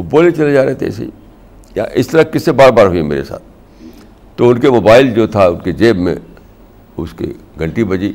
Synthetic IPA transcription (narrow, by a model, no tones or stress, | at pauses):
ʊʈ̚boːlet͡ʃɐled͡ʒaːɾɐɦet̪ʰḛɛ̰sḛ | ja̰ʔɪst̪ɐɾɐkɪsebaːɾbaːɾɦuiɦɛmḛːɾḛsa̰ːt̪̚ʰ | t̪ːoʊnkemoːbaːɪld͡ʒoːt̪ʰaʊnked͡ʒeːbmḛ̃ | ʊ̰skḛɡʱɐ̃ɳʈibɐd͡ʒi